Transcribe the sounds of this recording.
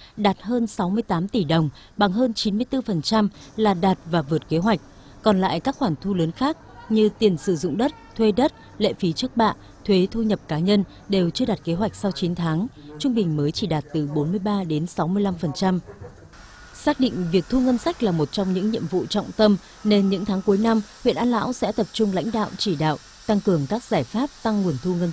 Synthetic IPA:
ɗaː˨˩t̚həː˧nsa˨˦wmɨ˧əjt̪aː˨˦mt̪i˧˩ɗə˨˩wŋ͡m | ɓa˨˩ŋɦəː˧nt͡ɕi˨˦nmɨ˧əjt̪ɨ˧fə˨˩nt͡ɕa˧m | laː˨˩ɗaː˨˩t̚vaː˨˩vɨ˨˩ət̚ke˨˦ɦwa˨˩jk̟̚ | kɔ˨˩nla̰ː˧˨jkaː˦˥k̚xwaː˧˩ŋt̪ʰu˧ləː˨˦nxaː˦˥k̚ɲɨ˧t̪i˨˩ənsɨ˧˩zʊ̰˧˨ŋ͡mɗə˦˥t̚t̪ʰwe˧ɗə˦˥t̚ | lḛ˧˨fi˨˦t͡ɕɨ˦˥ək̚ɓa̰ː˧˨ʔ | t̪ʰwe˨˦t̪ʰu˧ɲə˨˩p̚kaː˨˦ɲə˧n | ɗe˨˩wt͡ɕɨ˧əɗaː˨˩t̚ke˨˦ɦwa˨˩jk̚sa˧wt͡ɕi˨˦nt̪ʰaː˨˦ŋt͡ɕʊ˧ŋ͡mɓï˨˩ŋ̟məː˨˦jt͡ɕi˧˩ɗaː˨˩t̚t̪ɨ˨˩ɓo˨˦nmɨ˧əjɓaː˧ɗe˨˦nsa˨˦wmɨ˧əjla˧mfə˨˩nt͡ɕa˧m | saː˦˥k̚ɗḭ˧˨ŋ̟vi˨˩ək̚t̪ʰu˧ŋə˧nsa˦˥jk̟̚laː˨˩mo˨˩t̚t͡ɕɔ˧wŋ͡mɲɨ̰˧˥ŋɲḭ˧˨əmvṵ˧˨t͡ɕɔ̰˧˨wŋ͡mt̪ə˧m | ne˧nɲɨ̰˧˥ŋt̪ʰaː˨˦ŋku˨˦jna˧mhwḭ˧˨ənʔaː˧nla̰ː˧˥wsɛ̰˧˥t̪ə˨˩p̚t͡ɕʊ˧ŋ͡mla̰˧˥jŋ̟ɗa̰ː˧˨wt͡ɕi˧˩ɗa̰ː˧˨w | t̪a˧ŋkɨ˨˩əŋkaː˦˥k̚z̥aː˧˩jfaː˦˥p̚t̪a˧ŋːu˨˩ənt̪ʰu˧ŋə˧n

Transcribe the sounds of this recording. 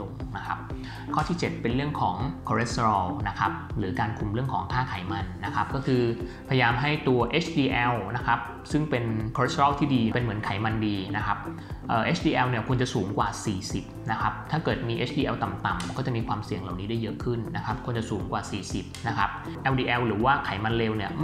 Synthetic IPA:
o˧ŋna˦˥kʰa˦˥p̚ | kʰɔː˥˩t̪ʰiː˥˩t͡ɕe˨˩t̪̚pe˧nɾɯ˥˩əŋkʰɔː˩˦ŋkʰɔː˧ɾe˦˥s̚t̪ɔː˧˩wna˦˥kʰa˦˥p̚ɾɯː˩˦kaː˧nkʰu˧mɾɯ˥˩əŋkʰɔː˩˦ŋkʰaː˥˩kʰaː˨˩˦jma˧nːa˦˥kʰa˦˥p̚kɔ˥˩kʰɯː˧pʰja˧jaː˧mɦa˥˩jt̪u˧ɐʔeː˦˥t͡ɕʰdiː˧ʔɛ˧wna˦˥kʰa˦˥p̚ | sɯ˥˩ŋpe˧nkʰːɾe˦˥st̪ɔː˥˩wt̪ʰiː˥˩diː˧pe˧nmɯ˩˦ənkʰa˩˦jma˧ndiː˧na˦˥kʰa˦˥p̚ | ʔəː˨˩ʔeː˦˥t͡ɕʰdiː˧ʔɛ˧wni˥˩ɐkʰu˧nt͡ɕa˨˩suː˩˦ŋkwaː˨˩siː˨˩si˨˩p̚na˦˥kʰa˦˥p̚t̪ʰaː˥˩kɤː˨˩t̪̚miː˧ʔeː˦˥t͡ɕʰdiː˧ʔɛ˧wt̪a˨˩mt̪a˨˩mkɔː˥˩t͡ɕa˨˩ʔmiː˧kʰwaː˧msi˨˩əŋla̰˨˩wniː˦˥daː˥˩jɤ˦˥ʔkʰɯ˥˩nːa˦˥kʰa˦˥p̚kʰu˧nt͡ɕa˨ʔsuː˩˦ŋkwaː˨˩siː˨˩si˨˩p̚na˦˥kʰa˦˥p̚ | ʔɛ˧wdiː˧ʔɛ˧wɾɯː˩˦waː˥˩kʰa˩˦jma˧nleː˧wni˥˩ɐm˥

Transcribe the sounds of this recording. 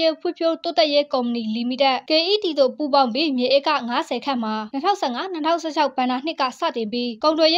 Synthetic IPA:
e˦˨pʰwṵ̃˦˨pʰjo˦t̪o˦t̪ɛ˦ʔje˦kõ˨ʊ̃mə˨ni˨li˨mi˨tɛ˦ʔke˨ʔi˦ti˨d̪o̰˦˨pu˦˨bã˦ʊ̃mpbi˦mjɛ˨ʔe˦˨kːä̰˦˨ŋa˦zɛ˨kʰã̰˦˨m̥a˨nə˦tʰã̰˦ʊ̃sɛ˦˨ŋa˦nə˦tʰã˦ʊ̃sɛ˦˨t͡ɕʰa˦ʊb̥ã˨nda˨n̥ɪ˦ʔkːä̰˦˨sä̰˦˨tɪ̃˨mbji˦kõ˨ʊ̃ntwɛ˨je˦

